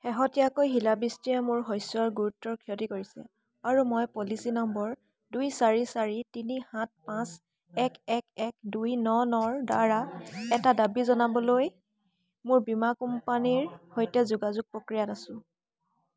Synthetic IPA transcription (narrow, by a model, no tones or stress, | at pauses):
xɛɦɔtijakojɦilabistijɛmʊɹɦɔjsɔɹɡuɹutːɔɹkʰiɔtikoɹisɛ̰ | aɹumɔjpolisinɔmbɔɹ | dujsaɹisaɹitinihãt̚pãs | ɛkɛkɛk̚dujnɔnɔɹdaɹaɛtadabizɔnabɔloj | mʊɹbimakumpaniɹhojtɛzuɡazuɡ̚pɹokɹijanasʊ̃